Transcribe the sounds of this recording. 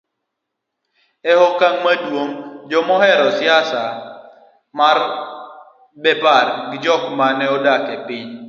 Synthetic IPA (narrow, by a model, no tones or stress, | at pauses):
ɛhɔkaŋmadwoŋd͡ʒɔmɔɦɛɾɔsjasa | mar | bɛbarɡɪd͡ʒɔkmanɛɔdakepɪɲ